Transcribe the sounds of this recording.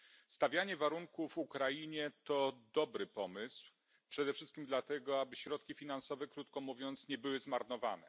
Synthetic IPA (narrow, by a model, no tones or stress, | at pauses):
st̪avʲjaɲɛvaɾuŋkuvukɾajiɲɛt̪ɔd̪ɔbɾɘpɔmɘsw | pʂɛd̪ɛfʂɘst̪̚kʲimd̪lat̪ɛɡɔabɘɕɾɔt̪̚kʲifʲinansɔvɛkɾut̪kɔmuvʲjɔnt̪sɲɛbɘwɘzmaɾnɔva̰nɛ̰